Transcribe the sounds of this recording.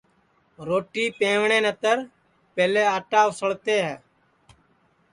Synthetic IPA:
ɾoːʈiːpẽːʋɳẽːnət̪əɾ | peːleːaːʈaːʋsəɭt̪eːɦɛ̰ː

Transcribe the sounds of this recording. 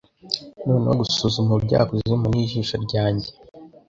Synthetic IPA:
noːneoɡusuzumubɟa̰ːkoziimuniːʒiːʃoɾɟaːɲɟe

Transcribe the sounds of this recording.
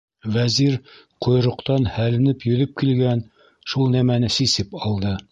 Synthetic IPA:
væziɾ | qʰŏjɾŏqt̪ɑnhælɘ̆nɘpjɵ̆ðɘp̚kilɡæn | ʃulˠnæmænɘsisɘpɒlˠd̪ɤ

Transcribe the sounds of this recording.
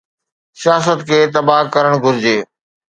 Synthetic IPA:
sijaːs̬ət̪kʰeːt̪ɐbaːkɐɾəɽ̃ɡʱʊɾɪd͡ʑeː

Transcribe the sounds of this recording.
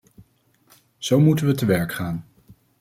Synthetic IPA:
z̥owmutənʋətəʋɛɹkχaːn

